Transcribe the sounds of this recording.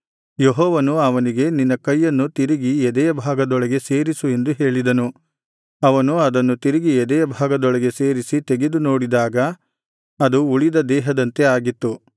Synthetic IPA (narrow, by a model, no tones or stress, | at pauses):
jeɦɔːʋɐnuɐʋɐniɡe̞ninːɐkɐjːɐnːut̪iɾiɡiɛd̪ɛjɐbʱaːɡɐd̪ɔɭɐɡe̞se̞ːɾisue̞nd̪uɦe̞ːɭid̪ɐnu | ɐʋɐnuɐd̪ɐnːut̪iɾiɡiɛd̪ɛjɐbʱaːɡɐd̪ɔɭɐɡe̞seːɾisit̪eɡed̪uno̞ːɽid̪aːɡɐ | ɐd̪uːɭid̪ɐd̪ɛːɦɐd̪ɐnt̪e̞aːɡit̪ːu